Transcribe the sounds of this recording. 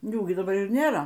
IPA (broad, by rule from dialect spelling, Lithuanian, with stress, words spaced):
ˈjuː ɡʲɪ dɐˈbɐr ɪr ˈnʲeːrɐ